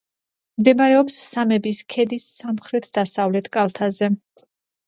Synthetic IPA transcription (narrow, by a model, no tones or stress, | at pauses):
md̪ɛmaɾɛɔpsːamɛbiskʰɛd̪isːamχɾɛt̪ʰd̪̥asavlɛt̪ʰkʼalˠt̪ʰazɛ